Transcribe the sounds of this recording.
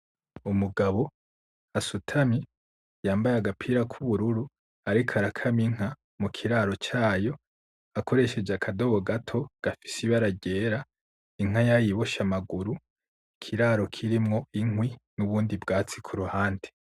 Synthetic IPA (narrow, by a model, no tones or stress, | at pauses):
umuɡaβo̞ | hasutʰami | jaːmbajaɡapʰiːɾakʰuβuɾuɾu | aɾikʰaɾakʰamiŋ̥a | mukʰiɾaːɾo̞t͡ʃaːjo̞ | akʰoɾe̞ʃe̞d͡ʒakʰado̞βoɡatʰo̞ɡ̥afi̥siβaɾaɟe̞ːɾa | iŋ̥ajajiβo̞ʃamaɡuɾu | ikʰiɾaːɾo̞kʰiɾimŋo̞iŋwinuβuːndibɡaːt͡sikʰuɾuhaːnde